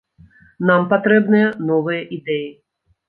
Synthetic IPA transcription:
nampat̪ɾɛbnɨjɐnɔvɨjɐʔid̪ɛji

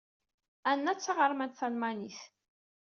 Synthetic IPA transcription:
ænːæt͡sːɑʁəɾˤmænt̪θælmæniθ

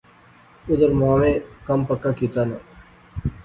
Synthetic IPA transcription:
ʊd̪əɾmaːʋẽːkəmpəkːãːkiːt̪aːnaː

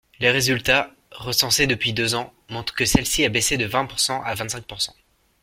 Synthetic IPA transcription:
leʁezylt̪a | ʁəsɑ̃sed̪əpɥid̪øzɑ̃mɔ̃t̪χə̥kəsɛlsiabesed̪əvɛ̃puʁsɑ̃ʔavɛ̃t̪sɛ̃ŋk̚puʁsɑ̃

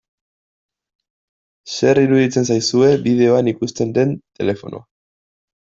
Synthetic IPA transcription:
se̞riɾuðit͡se̞nsajsue̞bið̞e̞o̞anikust̪e̞nd̪e̞nt̪e̞le̞fo̞̰nʔo̰a

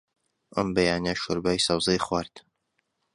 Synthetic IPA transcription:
ʔɐ̰mbɐjaːnaʃoɾbaːjsɑwzejχwaːɾt̪

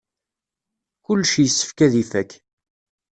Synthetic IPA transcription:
kʊlːʃijəsːə̥fkæðifækː

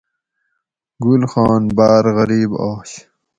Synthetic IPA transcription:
ɡulxɑːnbaːɾɣɐɾiːbɑːɕ

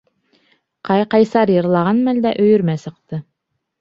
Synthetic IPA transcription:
qɑjqɑjsɑɾjɤ̆ɾlˠɑʁɑnmæld̪æʔɵ̆jɵ̆ɾmæsɤ̆q̚t̪ɤ

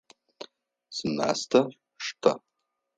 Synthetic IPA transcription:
sɨna̰stʰɐ | ʂtʰɐ

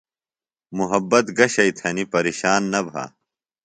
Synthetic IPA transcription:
muɦɐbːɐt̪ɡɐɕɐit̪ʰɐnipɐɾeːɕaːnːɐbʱa̰ː

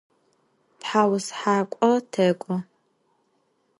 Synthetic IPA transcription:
tħaːwsħaːkʷʼɔtʰɐkʷʼʊ

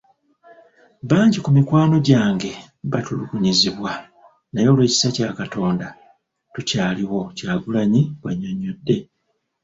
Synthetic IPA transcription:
βaːɲɟikumikwaːno̞ɟaːŋɡe̞ | βatuluɡuɲiziβwa | najo̞ːlwe̞ːci̥sacaːkato̞ːnda | tucaːliwo̞caːβulaɲiβwaɲːoɲodːe̞

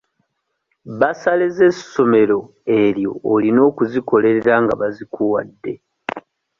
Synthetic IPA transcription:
βasaleze̞so̞me̞ɾo̞ | e̞ɾjo̞̰ːlino̞ːkuziko̞le̞ɾeɾaŋɡa̰βazikuwa̰dːe̞

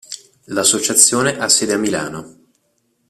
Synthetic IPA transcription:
lasːot͡ʃat̪sːjoːneʔasːeːd̪eamːila̰ːno

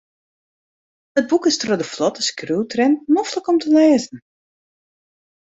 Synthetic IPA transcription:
əd̚bukɪstrodəflɔtəskruwtrɛnnɔfləkɔmtəleːzən̩

